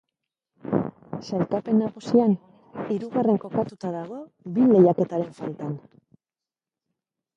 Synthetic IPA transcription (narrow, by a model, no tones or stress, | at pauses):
salkape̞nːaɣusian | iɾuɣare̞ŋko̞kat̪ut̪aðaɣ̞o̞ | bile̞jake̞t̪aɾe̞ɱfalt̪an